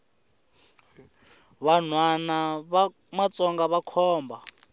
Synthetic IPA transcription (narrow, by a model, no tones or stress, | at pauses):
βan̤wanaβ | mat͡sʼɔŋɡaβakʰɔːmba